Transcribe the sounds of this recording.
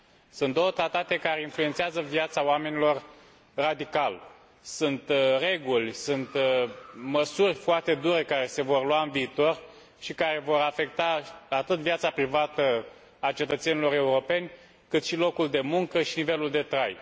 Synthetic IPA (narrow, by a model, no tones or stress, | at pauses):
sunt̪̚d̪o̞wət̪ɾat̪at̪e̞kaɾe̞influent̪seazəvjat̪saoamenilo̞r | rad̪ikal | sunt̪re̞ɡulʲsunt̪ | məsurʲfoart̪e̞d̪uɾe̞kaɾe̞se̞vo̞rluaɨnviːt̪o̞r | ʃikaɾe̞vo̞ɾafe̞k̚t̪aat̪ɨt̪viat̪sapɾivat̪ə | at͡ʃe̞t̪ət̪se̞nilo̞ɾe̞uɾo̞pe̞nʲ | kɨt̪ʃilo̞kuld̪e̞muŋkəʃinive̞luld̪e̞t̪ɾaj